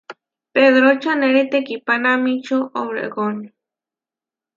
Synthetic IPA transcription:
peðɾot͡ʃaneɾit̪ekipanamĩt͡ʃoʔowɾḛɣoni

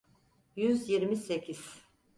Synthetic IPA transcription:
jyzjiɾmisecʰiz̥

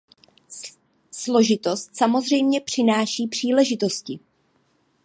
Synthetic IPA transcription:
slo̞ʒɪt̪o̞st̪samo̞zrɛjmɲɛpr̥ɪnaːʃiːpr̝̥iːlɛʒɪt̪o̞scɪ

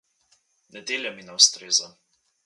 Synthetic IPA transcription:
nɛd̪eːljɛminawst̪ɾeːza

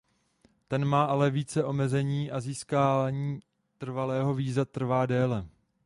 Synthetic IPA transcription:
t̪ɛnmaːʔalɛviːt͡sɛʔo̞mɛzɛɲiːʔaziːskaːvaɲiː | t̪r̩valɛːɦo̞viːzat̪r̩vaːdɛːlɛ

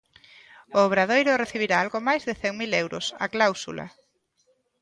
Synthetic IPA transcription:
oːβɾað̞ejɾʊreθiβiɾaalɣomajzðɪθɛŋmilewɾo̰sa̰klawsṵla̰

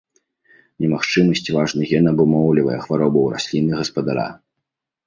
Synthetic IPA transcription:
nʲɛmaxt͡ʂɨmɐsʲt͡sʲvaʐnɨɣʲɛnɐbumɔwlʲivɐ̰jɛxvaɾɔbɐwɾa̰sʲlʲinɨɣɐspɐd̪aɾa̰

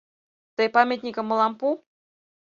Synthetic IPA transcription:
t̪ɤjpamʲet̪nʲikəmːəlɑmpu

